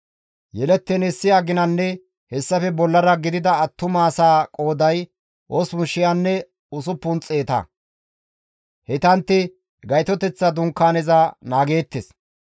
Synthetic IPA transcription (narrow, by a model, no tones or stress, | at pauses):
jɛlɛt̪ːɛnɛsːɪjaːɡɪnɐnːɛ | hɛsːɐfɛbɔlːɐɾɐɡɪd̪ɪd̪ɐɐt̪ːʊmaːsaːkʼo̞ːd̪ɐj | ʔoːsmʊʃːɪjanːɛ | ʊsʊpːʊnt͡sʼeːt̪ɐ̰ | hɛt̪ɐnt̪ːɪ | ɡɐjt̪ɔt̪ɛt͡sːɐd̪ʊŋkːaːnɛzanaːɡe̞ːt̪ːes